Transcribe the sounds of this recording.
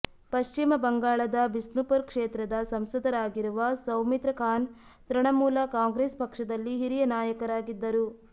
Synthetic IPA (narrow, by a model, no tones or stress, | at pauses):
pɐʃt͡ʃimɐbɐŋɡaːɭɐd̪ɐbisnupɐɾkʂeːt̪ɾɐd̪ɐsɐmsɐd̪ɐɾaːɡiɾuʋɐsɐwmit̪ɾɐkʰaːn | t̪ɾɐɳɐmuːlɐkaːŋɡɾeːspɐkʂɐd̪ɐlːiɦiɾijɐnaːjɐkɐɾaːɡid̪ːɐɾu